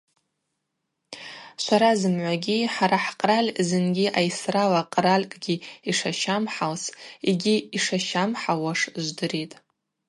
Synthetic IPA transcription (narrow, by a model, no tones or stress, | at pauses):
ʃʷaɾazɨmʕʷaɡʲiħaɾaħqʼralʲkʼzɨnɡʲiʔajsralaqʼɾalʲkʼɡʲiiʂaʃamħalsiɡʲiiʂaʃamħawaʂʒʷdɨɾitʼ